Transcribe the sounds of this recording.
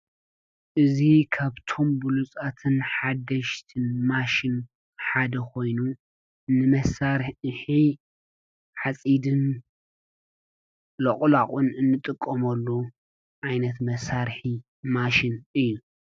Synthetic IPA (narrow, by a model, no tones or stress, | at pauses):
ʔɨzikʰaβt̪ʰo̞mbulut͡sʼat̪ʰɨnħad̪ɐʃt̪ʰɨnmaʃɪn | ħad̪ɐkʰo̞jnu | nːɨmɐsaɾħi | ħat͡sʼid̪ɨn | lɐχʼlaχʼunɨnːɨt̪ʼɨkʼːɐmɐlːu | ʔajnɐt̪mɐsaɾħi | maʃɪnʔɨjːu